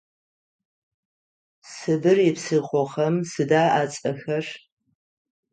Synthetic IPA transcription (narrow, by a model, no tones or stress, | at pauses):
sɨbɨrɪpsɨχʷɔχɐmsɨdaːʔat͡sʼɐxɐr